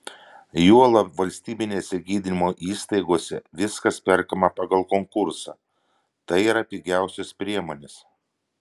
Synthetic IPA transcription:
juɔlˠɐʋɐlʲsʲt̪ʲiːbʲɪnʲeːsʲɛɡʲiːd̪ʲɪnʲɪmoːʔiːst̪ɐɪɡoːsʲɛ̰ʋʲɪskɐspʲɛɾkɐmɐpɑɡɐlˠkoŋkʊɾsɐ̰ | t̪ɐɪiːɾɐpʲiɡʲæˑʊsʲʊspʲɾʲiɛmoːnʲes

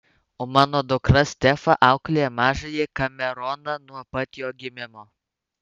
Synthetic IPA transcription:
oːmɑːnoːd̪ʊkɾɐsʲt̪ʲɛfɐʔɑˑʊklʲeɛmɑːʒɐjɛkɐmʲɛɾɔnɐnuɔpɐt̪ʲjoːɡʲɪmʲɪmoː

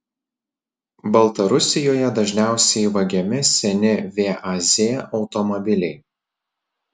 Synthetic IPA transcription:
bɐlˠt̪ɐɾʊsʲɪjoːjɛd̪ɐʒʲnʲæˑʊsʲɛɪʋɐɡʲɛmʲɪsʲɛnʲɪʋʲeːʔazʲeːʔɒʊt̪ɔmɔbʲɪlʲɛɪ

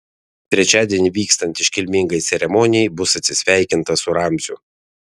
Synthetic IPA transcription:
t̪ʲɾʲɛt͡ʃʲæːd̪ʲiɛnʲiʋʲiːkst̪ɐnʲt̪ʲɪʃʲkʲɪlʲmʲɪŋɡɐɪɛɾʲɛmɔnʲɪjɛɪbʊsɐt̪ʲsʲɪsʲʋʲæˑɪkʲɪnt̪ɐsʊɾɑmʲzʲʊ

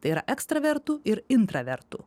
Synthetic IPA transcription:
t̪ɐɪiːɾɐʔɛkst̪ɾɐʋʲɛɾt̪uːɪɾɪnt̪ɾɐʋʲɛɾt̪ṵ

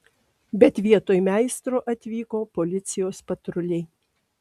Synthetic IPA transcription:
bʲɛt̪ʲʋʲiɛt̪oːjmʲæˑɪst̪ɾoːʔɐt̪ʲʋʲiːkoːpolʲɪt̪sʲɪjoːspɐt̪ɾʊlʲɛɪ

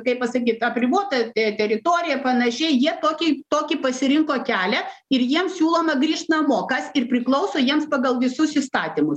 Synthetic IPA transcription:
kɐɪppɐsɐkʲiːt̪ɐpʲɾʲɪboːt̪ɐt̪ɛt̪ʲɛɾʲɪt̪oːɾʲɪjɛpɐnɐʃʲɛɪjiɛt̪oːkʲɪt̪oːkʲɪpɐsʲɪɾʲɪŋkoːkʲæːlʲɛɪrjiɛmssʲuːlˠoːmɐɡɾʲiːʃt̪nɐmoːkɐsɪrpʲɾʲɪklˠɐʊsoːjiɛmspɐɡɐlˠʋʲɪsʊsist̪ɑːt̪ʲimʊs

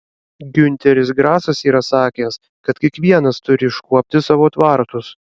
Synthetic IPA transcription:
ɡʲʊnʲt̪ʲɛɾʲɪsɡɾɑːsɐsiːɾɐsɑːkʲeːs | kɐt̪kʲiɛkʋʲiɛnɐst̪ʊɾʲɪʃkuɔpʲt̪ʲɪsɑːʋoːt̪ʋɑˑɾt̪ʊs

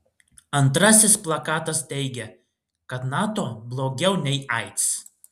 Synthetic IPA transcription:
ɐnt̪ɾɐsʲɪsplˠɐkɑːt̪ɐst̪ʲɛɪɡʲɛ | kɐt̪nɑːt̪oːblˠoːɡʲɛʊnʲɛɪʔɐɪt̪ʲs

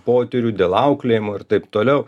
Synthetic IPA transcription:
poːt̪ʲɛɾʲuːd̪ʲeːlˠɐʊklʲeːjmoːɪɾt̪ɐɪpt̪oːlʲɛʊ

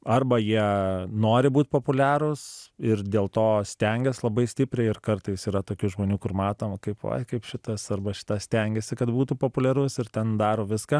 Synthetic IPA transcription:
ɐrbɐjiɛnoːɾʲɪbuːt̪poːpʊlʲæːɾʊsɪrd̪ʲeːlˠt̪oːsʲt̪ʲɛŋʲɡʲɛslˠɐbɐɪsʲt̪ʲɪpʲɾʲɛɪɪrkɐrt̪ɐɪsiːɾɐt̪oːkʲuʒmoːnʲuːkʊrmɑːt̪oːmkɐɪpʋɐ̰ɪkɐɪpʃʲɪt̪ɐsɐrbɐʃʲɪ̥t̪ɐsʲt̪ʲɛŋʲɡʲɛsʲɪkɐt̪buːt̪uːpoːpʊlʲɛɾʊsɪrt̪ʲɛnd̪ɑːɾoːʋʲɪskɐ

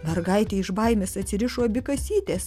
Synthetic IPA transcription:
mʲɛrɡɐɪt̪ʲeːɪʃbɐɪmʲesɐt̪ʲsʲɪɾʲɪʃoːɐbʲɪkɐsʲiːtt̪ʲeːs

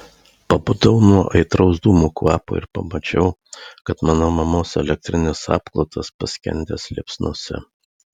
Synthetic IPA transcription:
pɐbʊd̪ɐʊnuɔʔɐɪt̪ɾɒʊzd̪uːmuːkʋɑːpo̰ɪ̰ɾpɐ̰mɐt͡ʃʲɛʊkɐt̪mɑːnoːmɐmoːsɛ̰lʲɛk̚t̪ʲɾʲɪnʲesɑ̰ːpklˠot̪ʰɐspɐsʲkʲɛ̰nʲd̪ʲɛːslʲḛpsʲnuɔsʲɛ̰

